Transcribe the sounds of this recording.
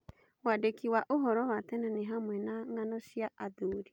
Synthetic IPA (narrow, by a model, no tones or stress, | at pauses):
wadekiwaʔoɦɔɾɔwat̪ɛnaneɦamwɛnaŋanɔʃjaaðuːɾi